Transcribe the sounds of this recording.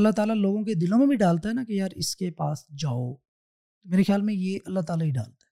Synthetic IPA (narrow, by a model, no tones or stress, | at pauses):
ɐlːaɦt̪aːlaloːɡõked̪ɪlõmẽbʱĩɖaːlt̪aɦɛnakejaːɾɪskepaːsd͡ʒaːo | meːɾexjaːlmẽjeʔɐlːaɦt̪aːlaɦiɖa̰ːlt̪aɛ